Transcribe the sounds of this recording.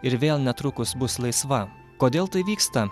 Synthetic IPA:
ɪɾʋʲeːlˠnʲɛt̪ɾʊkʊsbʊslˠɐɪsʋɐ | koːd̪ʲeːlˠt̪ɐɪʋʲiːkst̪ɐ

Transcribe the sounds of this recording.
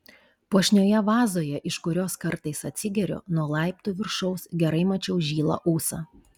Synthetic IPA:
puɔʃʲnʲoːjɛʋɑːzoːjɛʔɪʃkʊɾʲoːskɐɾt̪ɐɪsɐt̪ʲsʲɪɡʲɛɾʲɔ̰nuɔlˠɑˑɪp̚t̪uːʋʲɪɾʃɔʊsɡʲɛɾɐɪmɐt͡ʃʲɛʊʒʲiːlˠɐ̰ʔuːsɑ̰

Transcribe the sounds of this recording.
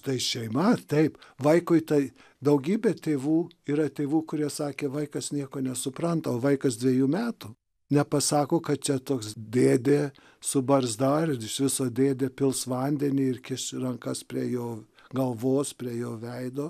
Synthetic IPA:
t̪ɐɪʃʲɛɪmɐt̪ɐɪpʋɐɪkʊɪt̪ɐɪ | d̪ɐʊɡʲiːbʲeːt̪ʲeːʋuː | iːɾɐt̪ʲeːʋuːkʊɾʲiɛsɑːkʲeːʋɐɪkɐsnʲiɛkoːnʲɛsʊpɾɐnt̪ɐoːʋɐɪkɐsd̪ʲʋʲeɛjuːmʲæːt̪ʊ | nʲɛpɐsɑːkoːkɐt̪̚t͡ʃʲɛt̪oːksd̪ʲeːd̪ʲeː | sʊbɐɾzd̪ɐɪɪʃʋʲɪsoːd̪ʲeːd̪ʲeːpʲɪlˠsʋɐnʲd̪ʲɛnʲiːɪrkʲɪʃrɐŋkɐspʲɾʲiɛjoː | ɡɐlˠʋoːspʲɾʲiɛjoːʋʲɛɪd̪oː

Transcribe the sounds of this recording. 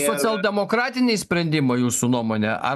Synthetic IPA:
sɔt̪sʲɛlˠd̪ʲɛmɔkɾɑːt̪ʲɪnʲɛɪsʲpʲɾʲɛnʲd̪ʲɪmɐɪjuːsunuɔmoːnʲɛʔɐ̰

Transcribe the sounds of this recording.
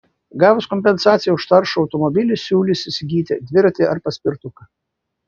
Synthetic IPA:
ɡɑːʋoskɔmʲpʲɛnsɑːt̪sʲɪjɛʊʃt̪ɐɾʃʊɒʊt̪ɔmɔbʲɪlʲɪsʲuːlʲɪsʲɪsʲɪɡʲiːt̪ʲɪd̪ʲʋʲɪɾʲt̪ʲɪɐɾpɐsʲpʲɪɾt̪ʊkɐ

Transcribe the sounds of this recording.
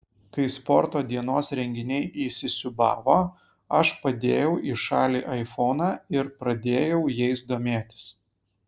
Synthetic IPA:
kɐɪspɔɾt̪oːd̪ʲiɛnoːsɾʲɛŋʲɡʲɪnʲɛɪʔiːsʲɪsʲʊbɑ̰ːʋoː | ɐʃpɐd̪ʲeːjɛʊʔiːʃɑːlʲiːʔɐɪfɔnɑːɪɾpɾɐd̪ʲeːjɛʊjɛɪsd̪oːmʲeːt̪ʲɪ̥s

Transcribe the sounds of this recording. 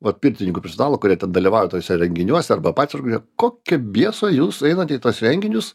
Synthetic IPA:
ʋɐt̪pʲiɾʲt̪ʲɪnʲɪŋkuːpʲɛɾʲsʲɛnɑːlˠokʊɾʲiɛt̪ʲɛnd̪ɐlʲiʋɑːjɛt̪oːsʲɛɾʲɛŋʲɡʲɪnʲuɔsʲɛɐrbɐpɑːt̪ʲsʲɾkoj̪ʲɛkoːkʲɛbʲiɛsoːjuːsɛɪnɐt̪ʲɛit̪uɔsɾʲɛŋʲɡʲɪnʲʊs

